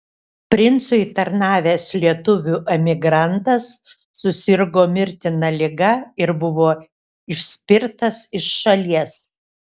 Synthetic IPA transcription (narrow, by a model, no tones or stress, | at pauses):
pʲɾʲɪnt̪sʊɪt̪ɐɾnɑːʋʲeːslʲiɛt̪ʊʋʲuːʔɛmʲɪɡɾɐnt̪ɐsː | ʊsʲɪɾɡoːmʲɪɾʲt̪ʲɪnɐlʲɪɡɐɪɾbʊʋoː | ɪʃʲsʲpʲɪɾt̪ɐsɪʃʃɐlʲiɛs